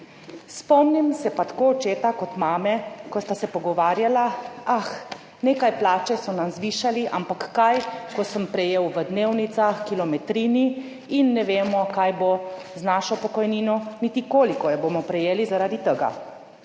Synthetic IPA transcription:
spɔmnimsɛpat̪ḁkoːɔt͡ʃeːt̪akɔt̪maːmɛkɔst̪asɛpɔɡɔʋaːɾjalaax | neːkajplaːt͡ʃɛsɔnamzʋiːʃaliʔampakːajkɔsəmpɾɛjewʋəd̪neːwnit̪saxkilɔmɛt̪ɾiːni | inːɛʋeːmɔkajbo | znaːʃɔpɔkɔjniːnɔnit̪ikoːlikɔjɛboːmɔpɾɛjeːlizaɾad̪it̪əɡa̰

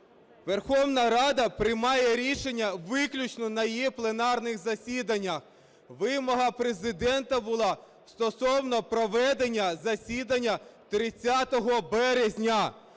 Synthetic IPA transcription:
ʋerxɔwnɐɾɑd̪ɐpɾɪmɑjɛɾʲiʃenʲːɐʋɪklʲut͡ʃnɔnɐjjiplˠe̞nɑrnɪxzɐsʲid̪ɐnʲːɐx | ʋɪmɔɦɐpɾezɪd̪ɛnt̪ɐbʊlˠɑ | st̪ɔsɔwnɔpɾɔʋɛd̪enʲːɐzɐsʲid̪ɐnʲːɐt̪ɾɪt͡sʲːat̪ɔɦɔbɛɾezʲnʲɐ

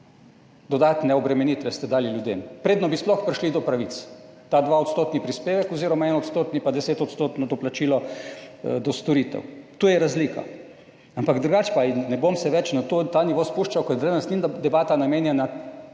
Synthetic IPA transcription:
d̪ɔd̪at̪nɛɔbɾɛmɛnit̪ʋɛst̪ɛd̪aːliljud̪ḛmpɾeːd̪nɔbisplɔxpɾʲiʃlid̪ɔpɾaʋit̪st̪aːd̪ʋaot̪st̪oːt̪nipɾispeːʋɛkɔziːɾɔmaɛnɔt̪st̪oːt̪nipad̪ɛseːt̪ɔt̪st̪oːt̪nɔd̪ɔplat͡ʃilɔ | d̪ɔst̪ɔɾit̪ɛ̰wt̪oːjɛɾazliːka̰ | ampaɡd̪ɾuɡat͡ʃpainːɛbomsɛʋɛt͡ʃnat̪ot̪aniʋospuʃt͡ʃawkɔjd̪ɾed̪nst̪ind̪ɛbaːt̪anameːnjana

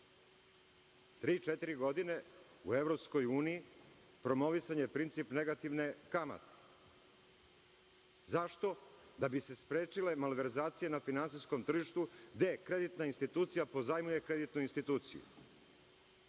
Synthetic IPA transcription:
t̪ɾiːt͡ʃet̪iɾiɡo̞d̪ine̞ | ṵevɾopsko̞juːniji | pɾo̞moʋisaɲepɾint̪sipneɡat̪iʋnekama̰t̪e̥ | zaʃt̪o̞ | d̪abise̞spɾeːt͡ʃile̞malʋe̞ɾzaːt̪sije̞nafinans̬ijsko̞mt̪r̩ʒiʃt̪ud̪ekɾe̞d̪it̪nainst̪it̪uːt̪sijapo̞zajmuje̞kɾe̞d̪it̪nuinst̪it̪uːt̪sḭjṵ

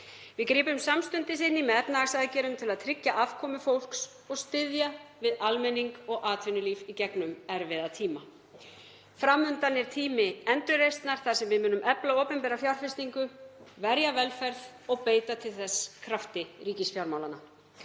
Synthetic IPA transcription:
vɪðkɾiːpʏmsamst̪ʏnt̪ɪsɪnːimɛðɛpnaasaðcɛːɾʏmt̪ʰɪlaðt̪ʰɾɪcːaʔav̥kʰɔːmʏfowl̥ks | ɔɣst̪ɪðjavɪðalmɛnːiŋkɔɣaːt̪ʰvɪnʏliːvicɛknʏmɛɾvɪðat̪ʰiːma | fɾamːʏnt̪anːɪɾ̥t̪ʰiːmɪɛnt̪ɾʏɾejst̪naɾ̥θaðsɛmvɪðmʏːnʏmɛplaoːwpʏmpɛːɾafjawɾ̥fɪst̪iŋkʏvɛɾjavɛlfɛɾθ | ɔɣpeːjt̪at̪ʰɪlθɛsːkʰɾaft̪ɪɾiːcɪsfjawɾmawlana

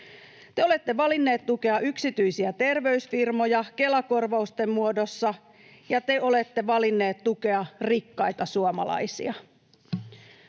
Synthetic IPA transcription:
t̪e̞o̞le̞t̪ːe̞ʋɑlinːe̞ːt̪t̪uke̞ɑyksit̪yjsiæt̪e̞rʋe̞ysfirmo̞jɑke̞lɑko̞rʋɑust̪e̞mmuodo̞sːɑ | jɑt̪e̞o̞le̞t̪ːe̞ʋɑlinːe̞ːt̪t̪uke̞ɑrikːɑjt̪ɑsuɑmɑ̰lɑ̰jsḭɑ

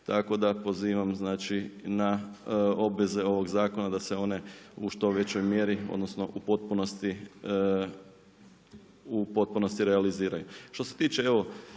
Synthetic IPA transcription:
t̪ako̞d̪apo̞ziːʋamznaːt͡ʃina | o̞bʋe̞ze̞o̞ʋo̞ɡzaːko̞nad̪aseo̞ne̞uʃt̪o̞ʋe̞t͡ɕojmje̞ɾio̰d̪no̞sno̞ʔupot̪̚punost̪i | upo̞t̪̚puno̞st̪iɾealiziːɾajuʃt̪o̞se̞̥t̪iːt͡ʃee̞ʋo̞

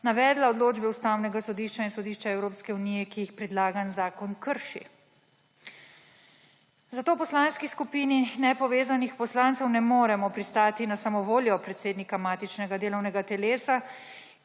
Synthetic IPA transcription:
naʋɛːd̪laɔd̪loːd͡ʒbɛust̪aːwnɛɡasɔd̪iːʃt͡ʃainsɔd̪iːʃt͡ʃaɛwɾoːpskɛuniːjɛkijixpɾɛd̪laːɡanzaːkɔnkəɾʃḭ | zat̪oːpɔslanskiskupiːninɛpɔʋeːzanixpɔslant̪sɛwnɛmoːɾɛmɔpɾist̪aːt̪inasamɔʋoːljɔpɾɛt̪seːd̪nikamaːt̪it͡ʃnɛɡad̪eːlɔwnɛɡat̪ɛleːsa

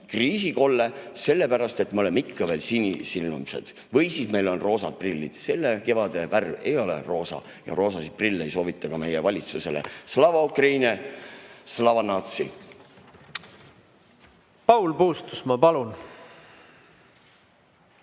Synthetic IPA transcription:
kriːsiko̞lːese̞lːe̞pæɾɑst̪e̞t̪mɑolemikːɑve̞ːlsinʲisilːumse̞̰d̪̥ | vɤjsiːsme̞jlo̞nro̞ːsɑd̪̥̚prilʲːḭd̪̥se̞lːeke̞vɑd̪̥e̞værve̞jo̞lḛro̞ːsɑ̰ | jɑ̰ro̞ːsɑsid̪̚prilːe̞jso̞ːvit̪ˑːɑkɑme̞jevɑlʲit̪suse̞lḛslɑvɑkrejnʲe | slɑvɑnɑːt̪sḭ | pɑwlpuːst̪usmɑpɑlun

